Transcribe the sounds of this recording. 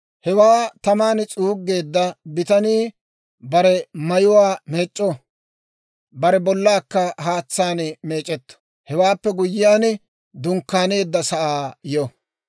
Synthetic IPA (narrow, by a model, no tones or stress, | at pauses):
hɛwaːt̪ɐmaːnt͡sʼuːɡːe̞ːd̪ːɐbɪt̪ɐniː | bɐɾɛmɐjʊwaːmeːt͡ʃʼːɔ | bɐɾɛbɔlːaːkːɐhaːt͡sːaːnmeːt͡ʃʼːɛt̪ːɔ̥ | hɛwaːpːɛɡʊjːɪjaːn | d̪ʊŋkːaːne̞ːd̪ːɐsɐʔaːjɔ